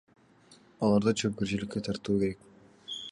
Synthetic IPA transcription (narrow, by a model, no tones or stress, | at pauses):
ɑlˠɑɾd̪ɑt͡ʃʰøp̚kiɾt͡ʃilɪkːet̪ʰɑɾt̪uːke̞ɾe̞k̚